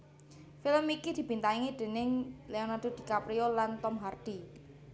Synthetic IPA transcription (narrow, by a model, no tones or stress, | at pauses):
filəmikid̪̥i̤b̥i̤nt̪aiŋid̪̥e̤nɪŋleɔnad̥o̤d̪̥i̤kapɾiolant̪ɔmɦard̪̥i